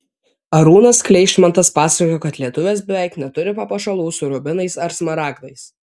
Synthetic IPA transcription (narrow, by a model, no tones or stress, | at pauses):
ɐɾuːnɐsklʲɛɪʃʲmʲɐnt̪ɐspɑːsɐkʲoːkɐt̪lʲiɛt̪ʊʋʲeːsbʲɛʋʲæˑɪknʲɛt̪ʊɾʲɪpɐpɐʃɐlˠuːsʊɾʊbʲɪnɐɪsɐɾsmɐɾɑːɡd̪ɐɪs